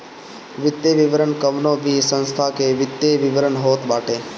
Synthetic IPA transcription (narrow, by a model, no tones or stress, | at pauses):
ʋɪt̪jeʋɪʋəɾəɳkəʋnõbʱisə̃nst̪ʰakeʋɪt̪jeʋɪʋəɾənɦoːt̪baːʈeː